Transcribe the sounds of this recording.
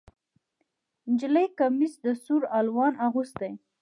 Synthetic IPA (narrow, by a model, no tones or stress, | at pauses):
nd͡ʒɪləjkamisd̪əsuɾalwɑnʔaɣust̪̚d̪aj